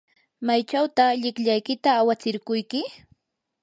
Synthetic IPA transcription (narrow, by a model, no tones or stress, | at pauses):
majt͡ʃawt̪aχʎɪkʎajkɪt̪aːwat͡sɪɾkʊjkɪ